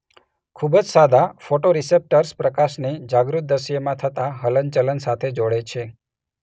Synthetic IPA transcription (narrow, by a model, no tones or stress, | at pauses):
kʰubəd͡ʒsad̪afoʈoɾisep̚ʈəɾspɾəkaʃnid͡ʒaɡɾut̪̚d̪əʃijəmãt̪ʰət̪aɦələnt͡ʃələnsat̪ʰed͡ʒoɽet͡ʃʰe